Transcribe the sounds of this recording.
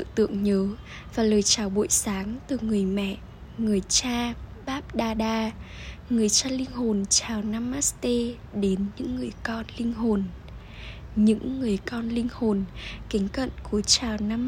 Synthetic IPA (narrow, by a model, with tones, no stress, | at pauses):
ɨ̰˧˨t̪ɨ̰˧˨əŋɲəː˨˦ | vaː˨˩ləː˨˩jt͡ɕaː˨˩wɓṵ˧˨jsaː˨˦ŋt̪ɨ˨˩ŋɨ˨˩əjmɛ̰˧˨ʔ | ŋɨ˨˩əjt͡ɕaː˧ɓaː˦˥p̚ɗaː˧ɗaː˧ | ŋɨ˨˩əjt͡ɕaː˧lï˧ŋ̟ho˨˩nt͡ɕaː˨˩wnaː˧mːaː˦˥t̪e˧ | ɗe˨˦nɲɨ̰˧˥ŋːɨ˨˩əjkɔ˧nlï˧ŋ̟ɦo˨˩n | ɲɨ̰˧˥ŋːɨ˨˩əjkɔ˧nlï˧ŋ̟ho˨˩nki˨˦ŋ̟kə̰˧˨nku˧˩ət͡ɕaː˨˩wnaː˧m